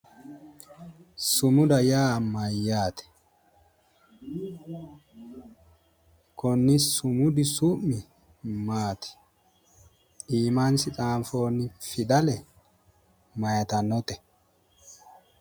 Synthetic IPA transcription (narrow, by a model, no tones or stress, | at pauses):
sʊmʊd̪ɐjaːmɐjːaːt̪ɛ̥ | kɔnːɪsʊmʊd̪ɪsʊʔmːɪ | maːt̪ɛ̥ | iːmansɪt̪ʼaːmfoːnːɪfɪd̪ɐlɛ | mɐjɐt̪ɐnːɔt̪ɛ